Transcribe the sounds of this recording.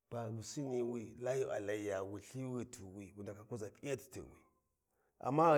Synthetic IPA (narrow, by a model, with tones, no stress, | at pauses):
b̥a˨lu˨si˦ni˨wi˦la˦ju˦ʔa̰˨la˨˦ja˨wi˨ɬi˦wi˦tʰu˨wi˨wu˨nda˨ka˨ku˦za˨pi˦ja˦ti̥˨tḭ˨wḭ˨ | ʔa̰˨mːa˦